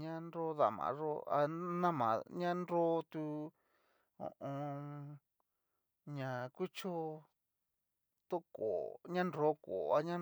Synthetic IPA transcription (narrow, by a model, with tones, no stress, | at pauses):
ɲã˦no˦ða˨mã̰˨˦ʐo̰˦a̰˧nã˦mã̰˨ɲã˦nɾo˦t̪u˧ | õ̰˨ʔõ˧ | ɲã˨ku˦t͡ʃo˦ | t̪o˦ko˨ɲã˦nɾo˨˦ko˨a˧ɲã˦